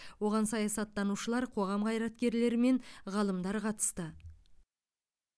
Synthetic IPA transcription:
wo̞ʁɑnsɑjɑsɑt̪ːɑnuʃəlˠɑɾqʰo̞ʁɑmqʰɑjɾɑt̪kʲe̞ɾle̞ɾɪme̞ɴʁɑlˠəmd̪ɑɾqʰɑt̪ə̥st̪ə

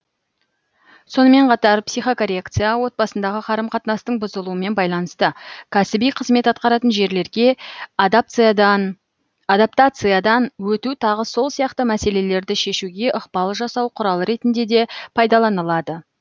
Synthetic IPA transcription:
so̞nəme̞ɴqʰɑt̪ɑɾpsijχo̞koɾʲekt̪sɨjawo̞t̪̚bɑsənd̪ɑʁəqʰɑɾəmqʰɑt̪nɑst̪əɴbʊzəlˠuəme̞nbɑjlˠɑnəst̪əkʲʰæsɪbijqʰəzme̞t̪ɑt̪̚qɑɾɑt̪ənʒe̞ɾle̞ɾɡʲe̞ | n | ad̪apt̪at̪sɨjad̪ɑnwɵt̪ut̪ʰɑʁəso̞lˠsijɑqt̪əmæse̞le̞le̞ɾd̪ɪʃe̞ʃuɡʲe̞ʔəqbɑlˠəʒɑsɑwqʰʊɾɑlˠəɾe̞t̪ɪnd̪e̞d̪e̞pʰɑjd̪ɑlˠɑnəlˠɑd̪ə

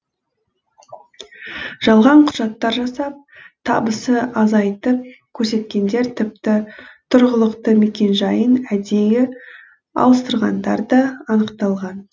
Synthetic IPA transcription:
ʒ̥ɑlˠʁɑɴqʰʊ̥ʒ̥ɑt̪ːɑɾʒɑsɑp̚t̪ʰɑbəsəɑzɑjt̪əp̚kʲʰɵɾse̞t̪kʲe̞nd̪e̞ɾt̪ʰɪp̚t̪ɪt̪ʰʊɾʁəlˠəqt̪əme̞kʲe̞nʒɑjənæd̪e̞jɪ | ɑ̰lˠəst̪əɾʁɑnd̪ɑ̰ɾd̪əːnəqt̪ɑlˠʁɑn

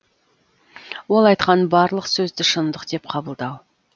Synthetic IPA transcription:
wo̞lˠɑjt̪qɑnbɑɾlˠəqsɵzd̪ɪʃənd̪əqd̪̥e̞p̚qʰɑbəlˠd̪ɑw

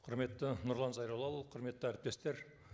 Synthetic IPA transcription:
qʰʊɾme̞t̪ːɪnʊɾlˠɑnzɑjɾɑlˠɑlˠqʰʊɾme̞t̪ːɪæɾɪp̚t̪e̞st̪e̞ɾ

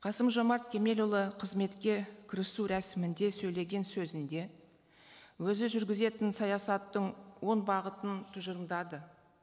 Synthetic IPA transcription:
qʰɑsəmʒo̞mɑɾt̪kʲʰe̞me̞lʲulˠəqʰəzme̞t̪kʲe̞kʲʰɪɾɪsuɾæsɪmɪnd̪e̞sɵjle̞ɡʲe̞nsɵzɪnd̪e̞ | wɵzɪʒʏɾɡʲɪze̞t̪ɪnsɑjɑsɑt̪ːəɴwo̞nbɑʁət̪ənt̪ʰʊʒəɾmd̪ɑd̪ə

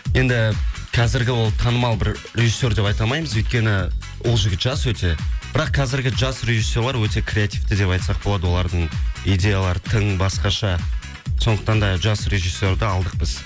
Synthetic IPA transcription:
je̞nd̪ɪ | qʰɑzɪɾɡʲɪwo̞lˠt̪ʰɑnəmɑlˠbɪɾ | re̞ʒisʲːe̞ɾd̪e̞pɑjt̪ɑlˠmɑjməzɵjt̪kʲe̞nɪ | wo̞lˠʒɪɡʲɪt̪ʒɑswɵt̪e̞b̥ɪɾɑqːʰɑzɪɾɡʲɪʒɑsre̞ʒisːo̞ɾlˠɑɾwɵt̪e̞kʰrʲe̞at̪ijft̪ɪd̪e̞pɑjt̪sɑq̚bolˠɑd̪əwo̞lˠɑɾd̪əɴijd̪ʲe̞jalˠɑɾət̪ʰəɴbɑsqɑʃɑ | so̞nd̪əqt̪ɑnd̪ɑʒɑsre̞ʒisʲːe̞ɾd̪ɪɑlˠd̪əq̚bɪz

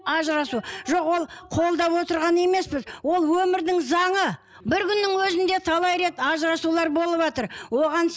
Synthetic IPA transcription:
ɑʒɾɑsuʒo̞qwo̞lˠqʰo̞lˠd̪ɑpwo̞t̪əɾʁɑne̞me̞spɪzwo̞lˠwɵmɪɾd̪ɪŋzɑɴə | bɪɾkʲʰʏnːɪŋwɵzɪnd̪e̞t̪ʰɑlˠɑjɾe̞t̪ɑʒɾɑsulˠɑɾbo̞lˠəpʒɑt̪əɾwo̞ʁɑns

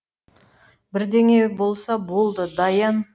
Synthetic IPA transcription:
bɪɾd̪e̞ŋe̞bo̞lˠsɑbo̞lˠd̪əd̪ɑjɑn

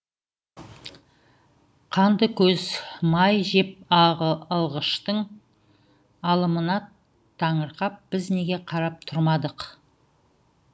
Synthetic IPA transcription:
qʰɑnd̪əkʲʰɵzmɑjʒe̞p̚ɑʁəɑlˠʁəʃt̪əɴ | ɑlˠəmənɑ | t̪ʰɑɴəɾqɑp̚b̥ɪzne̞ɡʲe̞qʰɑɾɑp̚t̪ʰʊɾmɑd̪əq

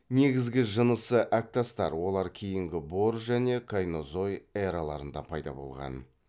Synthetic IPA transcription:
ne̞ɡʲɪzɡʲɪʒənəsəʔæk̚t̪ast̪ɑ̰ɾwo̞lˠɑɾkʲʰejɪŋɡʲɪbo̞ɾʒæne̞kʰajno̞zo̞jeɾalˠɑɾənd̪ɑpʰɑjd̪ɑ̰bo̞̰lˠʁɑ̰n

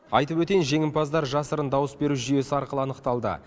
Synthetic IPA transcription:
ɑ̰jt̪əpwɵt̪e̞jnʒe̞ŋɪmpɑzd̪ɑɾʒɑsəɾənd̪ɑwəsbe̞ɾuʒʏje̞sɪɑɾqəlˠəɑnəqt̪ɑlˠd̪ə̰

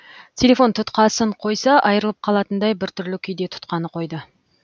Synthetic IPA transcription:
t̪ʲʰe̞lʲe̞fo̞nt̪ʰʊt̪qɑsəɴqʰo̞jsɑʔɑjəɾəlˠəp̚qʰɑlˠɑt̪ənd̪ɑjbɪɾt̪ʰʏɾlɪkʲʰʏjd̪e̞t̪ʰʊ̥t̪qɑnəqʰo̞jd̪ə

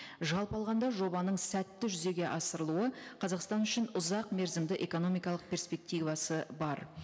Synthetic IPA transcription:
ʒɑlˠpɑlˠʁɑnd̪ɑʒo̞bɑnəɴsæt̪ːɪʒʏze̞ɡʲe̞ʔɑsəɾəlˠuəqʰɑzɑqst̪ɑnʏʃɪnʊzɑqme̞ɾzɪmd̪ɪʔe̞ko̞no̞mijkɑlˠəq̚pʰʲe̞ɾspe̞k̚t̪ijvɑsəbɑɾ

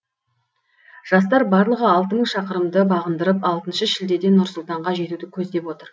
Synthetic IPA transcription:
ʒ̥ɑst̪ɑɾbɑɾlˠəʁəɑlˠt̪əməɴʃɑqəɾəmd̪əbɑʁənd̪əɾəpɑlˠt̪ənʃəʃɪld̪e̞d̪e̞nʊɾsʊlˠt̪ɑɴʁɑʒe̞t̪ud̪ɪkʲʰɵzd̪e̞pwo̞t̪əɾ

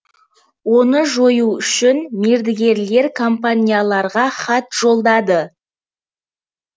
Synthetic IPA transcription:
wo̞nəʒo̞juʏʃɪnmeɾd̪ɪɡʲe̞ɾle̞ɾkʰompanʲijalˠɑɾʁɑχɑt̪ʒ̥o̞lˠd̪ɑd̪ə

